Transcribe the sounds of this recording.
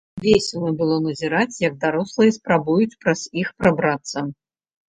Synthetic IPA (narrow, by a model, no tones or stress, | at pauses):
vʲesʲɛlɨbɨlˠɔnɐzʲiɾat͡sʲjɐɡ̚d̪aɾɔslˠɨjɛspɾabujut͡sʲpɾɐz̥ixpɾabɾat̪sːɐ